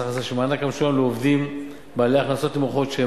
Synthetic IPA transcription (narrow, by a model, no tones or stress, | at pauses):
χazaʃemaːnakamʃomleovd̪im | bealeaχnaso̞t̪imoχo̞t̪ʃee